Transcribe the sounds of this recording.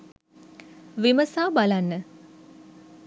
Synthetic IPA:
ʋiməsaːbalanːə

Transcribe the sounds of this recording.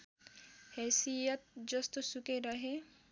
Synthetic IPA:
hɛːsijət̪̚d͡ʒɐst̪osukeɾɐɦe

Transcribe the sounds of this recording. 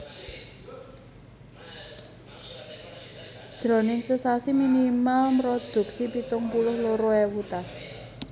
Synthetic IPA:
d̥ʒ̥ɾɔ̤nɪŋsəsasiminimalmɾɔd̪̥ṳksipit̪ʊŋpulʊhloɾoɛwut̪as

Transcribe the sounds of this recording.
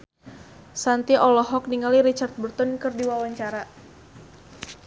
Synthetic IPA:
sant̪iʔɔlɔɦɔk̚niŋaliɾit͡ʃart̪̚bərt̪ɔnkɨrdiwawaɲt͡ʃaɾa

